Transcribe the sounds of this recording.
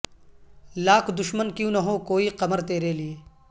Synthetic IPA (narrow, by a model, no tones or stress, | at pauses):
laːkʰd̪ʊʃmənkjũːnɐɦõkoːiqɐməɾt̪eːɾeːlieː